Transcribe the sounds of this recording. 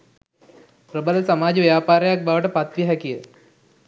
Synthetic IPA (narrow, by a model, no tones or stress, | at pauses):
pɾəbələsamaːd͡ʒəʋjaːpaːɾəjak̚baʋəʈəpat̪ʋiɦɛkijə